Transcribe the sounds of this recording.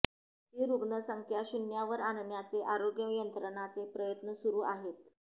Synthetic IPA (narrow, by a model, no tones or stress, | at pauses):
ɦiːɾuɡɳəsəŋkʰjaɕunjaʋəɾanɳjat͡seʔaɾoɡjəjənt̪ɾəɳat͡sepɾəjət̪nəsuɾuːʔaɦet̪